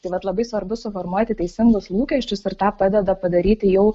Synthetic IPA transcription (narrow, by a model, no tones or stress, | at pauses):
t̪ɐɪʋɐt̪lˠɐbɐɪsʋɐɾbʊsʊfɔɾmuɔt̪ʲɪtʲɛɪsʲɪŋɡʊslˠuːkʲɛʃʲt͡ʃʲʊsɪɾt̪ɑːpɑːd̪ʲɛd̪ɐpɐd̪ɐɾʲiːt̪ʲɪjɛʊ